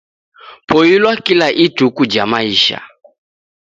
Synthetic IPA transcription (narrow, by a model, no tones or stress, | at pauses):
pʰɔjilwakilaʔitukud͡ʒamaiʃa̰